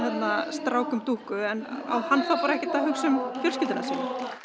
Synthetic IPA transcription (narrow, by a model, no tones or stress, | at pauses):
jɛt̪nast̪ɾaːwkʏmt̪uːhkʏɛna̰whanːθawpaːɾaɛhcɪt̪ʰaɦʏksʏmfjœl̥scɪlt̪ɪna̰sin